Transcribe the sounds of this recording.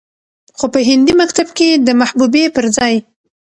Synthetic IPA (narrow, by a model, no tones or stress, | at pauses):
xopəɦɪnd̪imakt̪abked̪əmahbubepəɾd͡zɑj